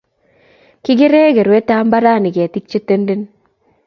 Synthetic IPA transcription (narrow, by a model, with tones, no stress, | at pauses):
kɪ˦ɡɪ˦ɾe˦ɡe˨ɾwe˦ta˦mba˦ɾa˦˨nɪ˨ka˨ti˦k̚t͡ʃe˦te˦nde˦n